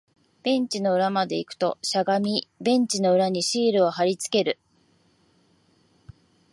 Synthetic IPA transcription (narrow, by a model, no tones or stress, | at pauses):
b̥ẽ̞ɲ̟t͡ɕino̞ɯ̟ɾamad̪e̞ikɯ̟̥t̪o̞̰ɕaɡamʲibẽ̞ɲ̟t͡ɕino̞ɯ̟ɾaɲ̟iɕiːɾɯ̟o̞ɦaɾʲit͡sɨ̥ke̞ɾɯ̟